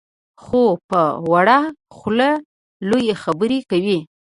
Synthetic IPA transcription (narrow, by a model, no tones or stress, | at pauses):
xopəwaɽaxla | lojexabəɾekawi